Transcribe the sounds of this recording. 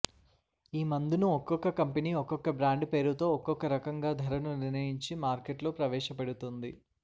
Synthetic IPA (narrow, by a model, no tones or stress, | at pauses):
iːmɐnd̪inuɔkːɔkːɐkɐmpeniːɔkːɔkːɐbɾaːɳɖpe̞ːɾut̪o̞ːɔkːɔkːɐɾɐkɐŋɡaːd̪ʱɐɾɐnuniɾnɐjiɲt͡ʃimaːɾkeʈlo̞ːpɾɐʋɛːʂɐpeɽut̪und̪i